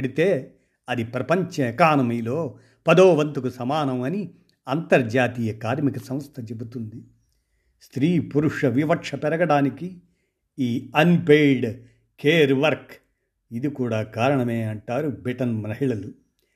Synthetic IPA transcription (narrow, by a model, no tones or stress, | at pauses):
ɽit̪e̞ː | ɐd̪ipɾɐpɐɲt͡ʃɐkaːnɐmiloː | pɐd̪oːʋɐnt̪ukusɐmaːnɐmɐni | ɐnt̪ɐɾd͡ʒaːt̪iːjɐkaːɾmikɐsɐ̃m̃st̪ʰɐt͡ʃebut̪und̪i | st̪ɾiːpuɾuʂɐʋiʋɐkʂɐpɛɾɐɡɐɽaːniki | iːɐnpejɖ | keːɾʋɐɾk | id̪ikuːɽaːkaːɾɐɳɐme̞ːɐɳʈaːɾubɾiʈɐnmɾɐɦiɭɐlu